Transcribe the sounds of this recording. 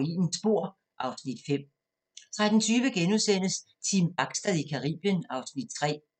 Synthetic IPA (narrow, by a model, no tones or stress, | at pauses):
ḭːnn̩sb̥o̝ɐ̰ | ʔɑ̈ʊsnid̥fem̰ | t͡sʰʁad̥n̩t͡sʰyːʋəɡ̥enuðˠsen̰əs | t͡sʰimb̥ɑ̈ɡ̥sd̥æðˠikʰɑ̈ʁḭːb̥jənɑ̈ʊsnid̥̚t͡sʰʁɛ̰ː